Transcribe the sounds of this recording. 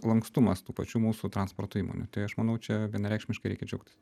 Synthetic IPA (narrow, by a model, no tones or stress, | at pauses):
lˠɐŋkst̪ʊmɐst̪uːpɐt͡ʃʲuːmuːsʊt̪ɾɐnspo̰rt̪oiːmo̰ːnʲṵt̪ɐɪɐʃmɐnɐʊt͡ʃʲɛʋʲiɛnɐɾʲɛɪkʃʲmʲɪʃkɐɪɾɛɪkʲɛd͡ʒʲɛʊk̚t̪ʲɪ̥s